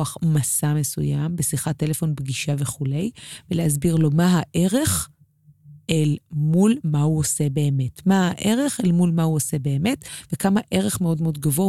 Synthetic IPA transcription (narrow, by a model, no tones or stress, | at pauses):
aχmasame̞sṵjambesiχatːe̞lefo̞nbɡiʃaveχulejvelehazbiʁlo̞maɦaʔe̞ʁe̞χ | ʔelmulmauosebe̞ːme̞tmahaʔe̞ʁe̞χelmulmahuose̞be̞ːme̞tvekamaʔe̞ʁe̞χme̞o̞dmeo̞d̚ɡavo̞